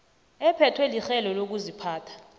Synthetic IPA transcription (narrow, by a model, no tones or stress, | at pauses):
ɛpʰɛtʰwɛlixɛlɔlok̬uzipʰaːtʰḁ